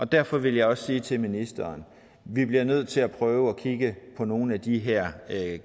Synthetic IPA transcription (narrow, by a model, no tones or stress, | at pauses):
ʔɒ̽d̥æɐ̰fɒ̽ʋe̝ljɑ̈ɪɒ̽ssiːt͡sʰe̝lminisd̥ɐːn | ʋib̥liɐnøð̞̰ˠt͡sʰe̝læpʰʁœːʊəɒkʰiɡ̥əpʰɒ̽no̝ːn̩æd̥iɦæɐ̰